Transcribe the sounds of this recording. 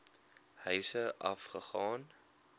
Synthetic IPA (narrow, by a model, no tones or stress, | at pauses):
hœɥsəʔɐ̰fχəχɑːn